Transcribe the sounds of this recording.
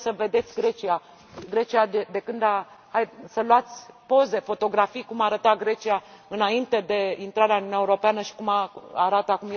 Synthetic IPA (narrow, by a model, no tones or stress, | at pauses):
səve̞d̪e̞t̪sʲɡɾe̞t͡ʃia | ɡɾe̞t͡ʃiad̪ed̪e̞kɨnd̪a | hajsəluat̪sʲpo̞ze̞fo̞t̪o̞ɡɾafijkumaːɾət̪aɡɾe̞t͡ʃiaɨnaint̪e̞d̪e̞int̪ɾaɾeanunʲaeuɾo̞peanəʃi̥kumaaɾat̪əakumj